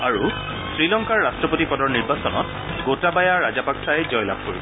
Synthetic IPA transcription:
aɹu | sɹilɔŋkaɹːastɹɔpotipɔdɔɹniɹbasɔnɔ̰t | ɡotabajaɹazapaksaɛzɔjla̰b̚ʱkoɹisɛ

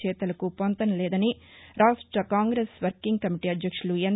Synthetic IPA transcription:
t͡ʃɛːt̪ɐlɐkupont̪ɐnɐlɛːd̪ɐni | ɾaːʂʈɾɐkaːŋɡɾesʋɐɾkiŋɡkɐmiʈiɐd̪jɐkʂuluen

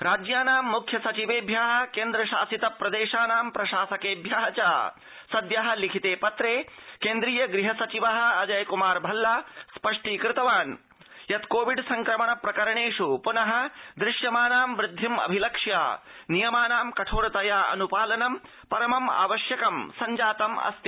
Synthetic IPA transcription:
ɾaːd͡ʒjaːnaːmːukʰjɐsɐt͡ʃiʋeːbʱjaːɦɐ̆keːnd̪ɾɐʃaːsit̪ɐpɾɐd̪eːʃaːnaːmpɾɐʃaːsɐkeːbʱjaːɦɐt͡ʃaː | sɐd̪jaɦɐ̆likʰit̪eːpɐt̪ɾeːkeːnd̪ɾiːjɐɡɾiɦɐsɐt͡ʃiʋɐɦɐ̆ɐd͡ʒɐjkumaːɾbʱɐlːaːspɐʂʈiːkɾɪt̪ɐʋaːn | jɐt̪koːʋiɖsɐŋkɾɐmɐɳɐpɾɐkɐɾɐɳeːʂupunɐɦɐ̆d̪ɾɪʃjɐmaːnaːmʋɾɪd̪ʱːimɐ̰bʱilɐkʂja̰ːnijɐmaːnaːmkɐʈʰoːɽɐt̪ɐjaːɐ̰nupaːlɐnɐm | pɐɾɐmɐma̰ːʋɐʃjɐkɐmsɐɲd͡ʒaːt̪ɐmɐ̰st̪i

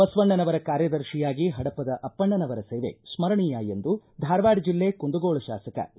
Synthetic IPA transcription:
bɐsʋɐɳːɐnɐʋɐɾɐkaːɾjɐd̪ɐɾʃijaːɡiɦɐɽɐpːɐd̪ɐʔɐpːɐɳːɐnɐʋɐɾɐseːʋḛsmɐɾɐɳijaːjend̪ud̪ʱaːɾʋaːɖd͡ʒilːe̞ːkund̪uɡoːɭɐʃa̰ːsɐkɐ̰

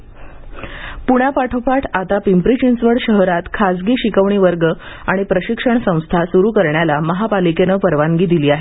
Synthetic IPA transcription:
puɽ̃apaʈʰopaʈʰat̪apimpɾit͡ɕinsʋəɽɕəɦɾat̪kʰasɡiːɕikəʋɳiːʋəɾɡəaɽ̃ipɾəɕikʂəɳsə̃w̃st̪ʰasuɾuːkəɾɳjalaməɦapalikenəpəɾʋaŋɡiːd̪iliːaɦe

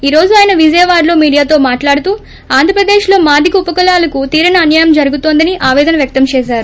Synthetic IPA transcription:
iːɾo̞ːd͡ʒuaːjɐnɐʋid͡ʒɐjɐʋaːɾlo̞ːmiːɽijaːt̪o̞ːmaːʈlaːɽut̪uː | aːnd̪ʱɐpɾɐd̪eːʃlo̞ːmaːd̪ʱikupɐkɐlaːlɐkut̪iːɾɐnɐːnjɐːjɐmd͡ʒɐɾuɡut̪oːnd̪ɐniʔaːʋɛːd̪ɐnɐʋjɐk̚t̪ɐmt͡ʃɛːʃaːɾu

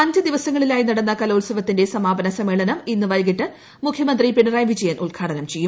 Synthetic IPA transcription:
ɐndɨd̪iʋɐsɐŋːɐɭilaːjinɐɽɐnːɐkɐloːlsɐʋɐt̪ːinde̞sɐmaːbɐnɐsɐmːe̞ːɭɐnɐminːɨʋɐjɡiʈːɨ | mukʰjɐmɐnd̪ripeɳɐraːjmʋit͡ɕːejaːnʔuɭɡʰʱaːɽɐnɐmt͡ɕe̞jːum

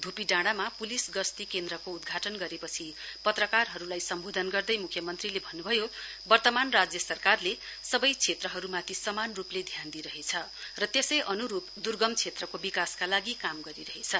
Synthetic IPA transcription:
d̪ʱupiɖaɽ̃amapulisɡʌst̪ikend̪ɾʌkoud̪ɡʱaʈʌnɡʌɾepʌt͡sʰi | pʌt̪rʌkarɦʌɾulajsʌmbod̪ʱʌnɡʌrd̪ʌjmukʰjʌmʌnt̪rilebʱʌnːubʱʌjo | bʌrt̪ʌmanrad͡zjʌsʌrkarle | sʌbʌjt͡sʰet̪rʌɦʌɾumat̪ʰisʌmanrupled̪ʱjand̪iɾʌɦet͡sʰʌ | rʌt̪esʌjʔʌnuɾupd̪urɡʌmt͡sʰet̪rʌkobikaskalaɡikamɡʌɾiɾʌɦet͡sʰʌ

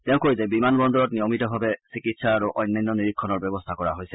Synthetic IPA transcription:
tɛʊ̃koɹizɛbimanbɔndɔɹɔt̚nijɔmitɔbʱabɛsikitsaːɹuʔɔjnːajnːɔniɹikʰːɔnɔɹbɛbɔstʰakɔɹaɦojsɛ̥

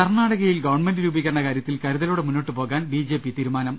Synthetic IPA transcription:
kɐrnaːɽɐɣɐjilɡɐʋɐrɳme̞ndɨɾuːbik̬ʲːɐɐnːɐkaːɾjɐt̪ːilkɐɾuðɐluːɽemunːo̞ːʈːɨpo̞ːɣaːnbiːd͡ʑe̞ːpit̪iːɾumaːnɐm

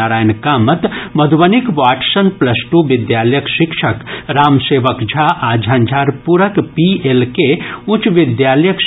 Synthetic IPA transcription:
aɾaːjnkaːmət̪mɐd̪ʱʋɐnikʋaːʈsənplɐsʈuʋid̪jaːləjəkʃikʃʰəkɾaːmseːʋəkd͡ʒʱaʔaːd͡ʒʱãːnd͡ʒʱaːɾpuɾəkpielkeut͡ʃʋid̪jaːlɐjək

